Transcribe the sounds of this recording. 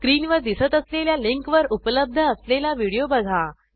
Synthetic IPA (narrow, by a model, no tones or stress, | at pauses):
kɾiːnʋəɾd̪isət̪əsleljaliŋkʋəɾupələb̚d̪ʱəːslelaʋiɽijobəɡʱa